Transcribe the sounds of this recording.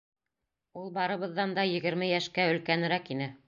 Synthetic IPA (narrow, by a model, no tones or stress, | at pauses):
ulˠbɑɾɤ̆βɤ̆ðːɑnd̪ɑjɘ̆ɡɘ̆ɾmɘjæʃkæɵ̆lkænɘ̆ɾækinɘ